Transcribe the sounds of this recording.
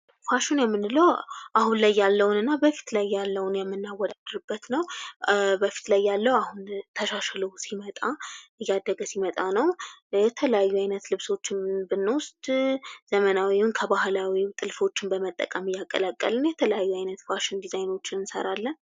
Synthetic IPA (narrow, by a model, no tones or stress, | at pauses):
faʃɪnjɛmːɨnɨləwʔaɦunlajːalːəwunɨnːabəfi̥t̪lajːalːəwunjɛmːɨnːawɔd̪ad̪̥ɾɨbːət̪nəw | bəfi̥t̪lajːalːəwahunt̪ʰəʃaʃləwsimət̪ʼaʔɨjːad̪əɡəsimət̪ʼanəwjɛt̪ʰələjajːuajnət̪lɨβso̞t͡ʃːɪnbɨnːwʊst̪ʼz̥əmənawiwʊnkʰəbahlawit̪ʼɨlfo̞t͡ʃːɪnbəmət̪ʼːə̰kʼəmɨjːakʼːə̰lakʼːə̰lɨnjɛt̪ʰələjajːuajnət̪faʃɪnd̪izajno̞t͡ʃːɪnɨnsə̰ɾalːən